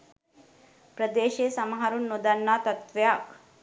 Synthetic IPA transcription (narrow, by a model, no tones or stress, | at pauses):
pɾɐd̪eːʃeːsɐmɦɐɾunːud̪ɐnːaːt̪ɐt̪ʋjaːk